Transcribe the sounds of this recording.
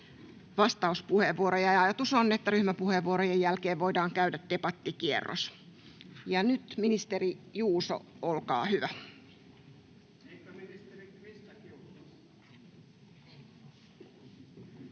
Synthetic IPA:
ʋɑst̪ɑuspuheʋːuoɾojɑjɑjɑt̪usonːet̪ːæryhmæpuheʋːuoɾojejjælkeːʋʋoidɑːŋkæydæt̪d̪epɑt̪ːikiḛrːo̰s | jɑnyt̪minist̪erijuːso̰olkɑ̰ːhyʋæ

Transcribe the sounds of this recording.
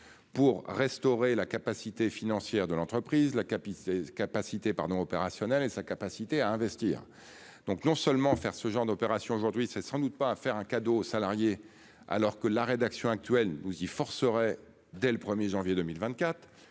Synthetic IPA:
puʁːɛst̪ɔʁelakapasit̪efinɑ̃sjɛʁd̪əlɑ̃t̪χəpχizlakapkapasit̪epaʁd̪ɔ̃ɔpeʁasjɔnɛlesakapasit̪eaɛ̃vɛst̪ḭːʁ | d̪̥ɔ̃knɔ̃sœlmɑ̃fɛʁsəʒɑ̃ʁd̪ɔpeʁasjɔ̃oʒuʁd̪ɥisɛsɑ̃d̪ut̪̚paːfɛʁɛ̃kad̪osalaʁje | a̰lɔʁkəlaʁed̪aksjɔ̃ak̚t̪ɥɛlnuzifɔʁsəʁɛ | d̪ɛləpχəmjeʒɑ̃vjed̪ømilvɛ̃t̪̚kʲat̪χ

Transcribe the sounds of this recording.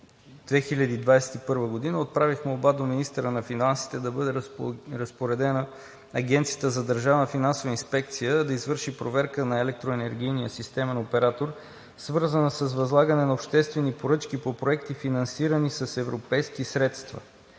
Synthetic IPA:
d̪vɛxiʎʲɐd̪iːd̪vajsɛ̥t̪ipɤɾvəɡod̪inəot̪̚pɾavixmɛobad̪ominist̪əɾənɐfinansi̥t̪ɛd̪ɐbɤd̪ɛɾɐspoɾɛd̪ɛnə | ɐɡʲɛnt̪sijət̪əzɐd̪əɾʒavnɐfinansovəinspɛkt̪sijəd̪ɐizvɤɾʃipɾovɛɾkənɐɛlɛk̚t̪ɾoɛnɛɾɡ̟ʲijnijəsist̪ɛmɛnopɛɾat̪oɾ | svɤɾzənəsəzvɐzlˠaɡənɛnɐopʃt̪ɛst̪vɛnipoɾɤt͡ʃkipopɾoɛk̚t̪ifinɐnsiɾənisɐsɛvɾopɛjsk̟isɾɛt̪st̪vɐ̰

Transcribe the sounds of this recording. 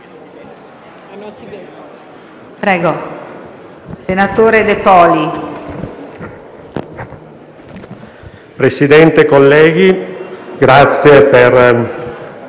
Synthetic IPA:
pɾɛːɡo | senat̪oːɾed̪epɔːli | pɾesid̪ɛnt̪ekolːɛːɡ̟iɡɾat̪sːjeper

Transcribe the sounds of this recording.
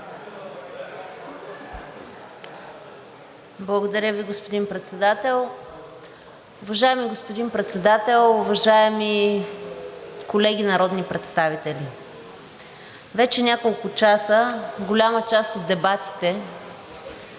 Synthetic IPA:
blˠɐɡod̪ɐɾʲəviɡospod̪inpɾɛt̪sɛd̪at̪ɛlˠ | ʊvɐʒaɛmiɡospʊd̪inpɾɛt̪sɛd̪at̪ɛlˠʊvɐʒaɛmi | kolɛɡʲinɐɾɔd̪nipɾɛt̪st̪avit̪ɛli | vɛt͡ʃɛnʲakolˠkʊt͡ʃasəɡolʲamət͡ʃast̪od̪ːɛbat̪i̥t̪ɛ

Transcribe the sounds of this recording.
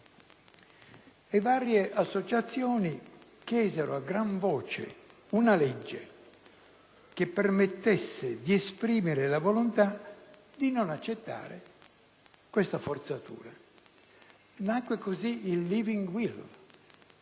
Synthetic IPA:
evaːɾjeʔasːot͡ʃat̪sːjɔːnikjɛːzɛɾo̰aɡːɾaɱvɔːt͡ʃḛunalɛd͡ʒːḛ | k̟ɪpːermet̪ːesːed̪iɛspɾiːmɪɾɪlavolont̪a | d̪inonat͡ʃːet̪ːa̰ːɾḛ | kwest̪afort̪sat̪ʰṵːɾa | nakːwekoziilːiviŋɡwil

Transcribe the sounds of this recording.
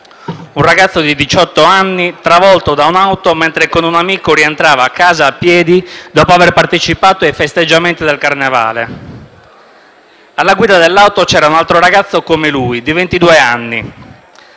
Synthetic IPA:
unraɡat̪sːod̪id̪it͡ʃɔt̪ːoanːit̪ɾavɔlt̪od̪aunawt̪oment̪ɾekonunamiːkoɾient̪ɾaːvaːkːaːzaːpːjɛːd̪id̪ɔːpoaverpart̪et͡ʃipaːt̪oajfest̪ed͡ʒːament̪id̪elkarneva̰ːle | alːaɡwiːd̪ad̪elːawt̪ot͡ʃɛːɾaunalt̪ɾoɾaɡat̪sːokomeluid̪ivent̪id̪uːeanːḭ

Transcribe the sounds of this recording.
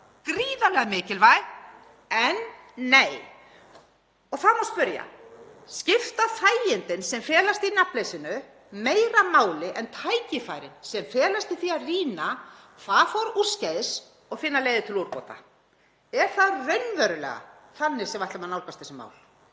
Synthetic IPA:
kɾiːðalɛɣamɪːcɪlvaj | ɛnː | eːj | ɔɣθamaspʏɾja̰ | scɪft̪aθaːjɪnt̪ɪnsɛmfɛːlast̪inaplejsɪnʏ | meːjɾamaːwlɪʔɛnt̪ʰaːjcɪfajɾɪnsɛmfɛːlast̪iθiaðriːna | θaðfɔɾu̥scajðɪs | ɔɣfɪnːaleːjðɪt̪ʰɪluɾpɔ̰ːt̪a̰ | ɛɾ̥θaðrœɥnvɛɾʏlɛ̰ːɣa̰θanːɪ̥sɛmajht̪lamanawlkast̪ɛsʏma̰ːwl

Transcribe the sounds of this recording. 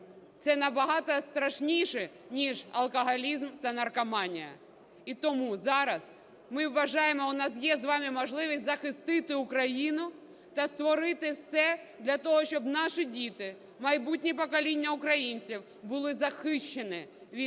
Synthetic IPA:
t̪sɛnɐbɐɦɑt̪ɐst̪ɾɐʃnʲijʃɛnʲiʒɐ̰lˠkɐɦɐlʲizmt̪ɐnɐrkɐmɑnʲɪjɐ̰ | it̪ɔmuzɑɾɐs | mɪwːɐʒɑjɪmɔʊnɑs̬jɛzʋɑmʲimɔʐlˠɪʋʲisʲtʲzɐxɪst̪ɪt̪ɪʊkɾɐjinʊ | t̪ɐst̪ʋɔɾɪt̪ɪfsɛd̪lʲɐt̪ɔɦɔɕʲt͡ʃɔbnɑʂɪdʲit̪ɪ | mɐjbut̚ʲnʲipɔkɐlʲinʲːɐʊkɾɐjinʲt͡sʲiw | bʊlˠɪzɐxɪʃt͡ʃːenɪʋʲi

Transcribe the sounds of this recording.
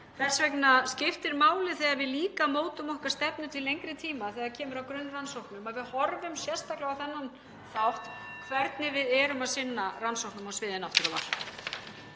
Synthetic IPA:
θɛ̥svɛknascɪft̪ɪɾmaːwlɪθɛːɣaɾvɪðliːkamoːwt̪ʏmɔhkḁst̪ɛpnʏt̪ʰɪlejŋkɾɪt̪ʰiːmaθɛːɣacʰɛːmʏɾawkɾʏnːransowhknʏmaðvɪðhɔɾvʏmsjɛ̥st̪aklɪɣaθɛnːan | θawht̪kʰvɛɾt̪nɪvɪðɛːɾʏmaðsɪnːaransowhknʏmɔsvɪːðɪnawft̪ʏɾava̰ɾ̥

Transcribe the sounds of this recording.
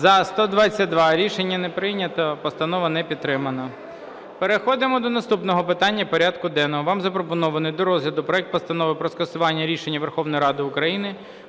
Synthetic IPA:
zɐst̪ɔd̪ʋɑt͡sʲːɐt̚ʲd̪ʋɑɾʲiʃenʲːɐnɛpɾɪnʲɐt̪ɐpɔst̪ɐnɔʋɐnɛpʲid̪t̪ːɾɪmɐnɐ | peɾexɔd̪ɪmɔd̪ɔnɐst̪upnɔɦɔpɪt̪ɑnʲːɐpɔɾʲad̪kʊd̪ɛnːɔɦɔʋɑmzɐpɾɔpɔnɔʋɐnɪjd̪ɔɾɔzlʲɐd̪ʊpɾɔɛk̚t̪pɔst̪ɐnɔʋɪpɾɔskɐsʊʋɑnʲːɐɾʲiʃenʲːɐʋerxɔwnɔjɾɑd̪ɪʊkɾɐjinɪ

